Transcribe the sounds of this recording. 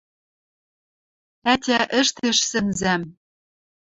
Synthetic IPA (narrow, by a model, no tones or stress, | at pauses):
ætʲæʔɘ̆ʃt̪eʃsɘ̆nzæm